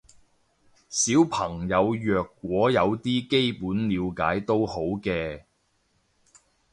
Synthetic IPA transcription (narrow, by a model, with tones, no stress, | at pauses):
siː˨˥wpʰɐ˨˩ŋjɐ˨˧wjœː˨kːwɔː˨˥jɐ˨˧wt̪iː˥ke˥jpuː˨˥nliː˨˧wkaː˨˥jt̪o˥who˨˥wkɛː˧